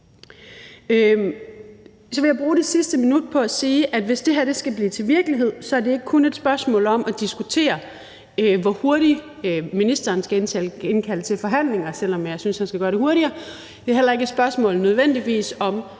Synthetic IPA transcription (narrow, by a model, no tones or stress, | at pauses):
sɒʋe̝jɑ̈b̥ʁuːɾ̥esisd̥əminud̥̚pʰɒ̽æsiːʔæd̥ʋe̝sd̥e̝ɦæɐd̥e̝sɡ̥æb̥liːt͡sʰe̝lʋiɐɡ̥əliɦe̝ð̰ˠsɒ̽æɐde̝e̝ɡ̥əkʰune̝d̥sb̥ɶɐsmɔ̰̽ːlɒ̽mæd̥isɡ̥ut͡sʰe̝̰ːɐ | ʋɒho̝ɐɾi | minisd̥ɐːnsɡ̥æe̝nt͡sʰɛ̰ːle̝nkʰæl̰t͡sʰe̝lfɒ̽ɦæn̰le̝ŋɐsel̰ɒ̽mjɑ̈ɪsynshænsɡ̥æɡ̥ɶːɐɾ̥e̝ho̝ɐɾiɐ | d̥eɦelɐe̝ɡ̥əsb̥ɶɐsmɔ̰̽ːl̩nøð̞ˠʋen̰d̥iʋḭːsɒ̽m